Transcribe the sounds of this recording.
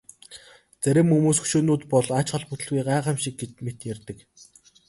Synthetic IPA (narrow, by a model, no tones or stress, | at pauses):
t͡sæɾʲɪ̆mumuːsɵ̥ʃoːnuːt̪pɔɮat͡ɕχɔ̆ɮput̪ɘ̆ɮɣujɢaɛʁə̆mʃik̚ɡet̪met̪jærʲt̪ɘ̆k